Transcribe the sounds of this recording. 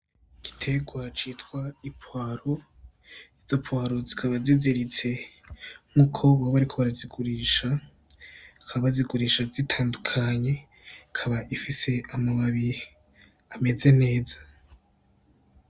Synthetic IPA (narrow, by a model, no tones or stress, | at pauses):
ɡ̥i̥tʰe̞ɡwat͡ʃiːtkwaipwaːɾo | iz̥opwaːɾo̞zikʰaβaziziɾit͡se̞ | m̥ukʰo̞βaβaɾikʰoβaɾaziɡuɾiʃa | kʰaβaβaziɡuɾiːʃazitʰaːndukʰaɲe̞ | kʰaβaʔifise̞amoβaβi | ame̞ze̞ne̞ːza